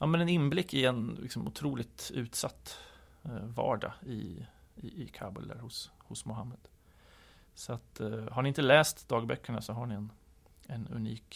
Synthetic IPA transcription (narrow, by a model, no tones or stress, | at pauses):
ʔɑːmɛnɛnɪnblɪkːɪɛnlʔɪksɔmʊ̰t̪ʰɾuːlɪt̪ʉ̟ːt̪sat̪ː | vɑ̰ːɖa̰ɪ̰ | ɪkʰaːbə̰ld̪æ̰ɾhʊshʊsmʊɦamːəd̪̥ | sɔat̪haɳɪɪnt̪əlɛːst̪d̪ɑːɡ̚bœkʰːəɳasɔɦaɳɪɛn | ɛnɵ̰nḭːk